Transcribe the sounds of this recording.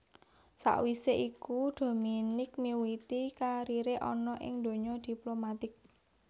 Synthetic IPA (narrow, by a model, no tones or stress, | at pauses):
sa̰ʔwiseʔikud̪̥o̤minɪk̚miwit̪ikaɾiɾeʔɔ̰nɔʔɪ̰ŋd̪̥o̤ɲɔd̪̥i̤plomat̪ɪk̚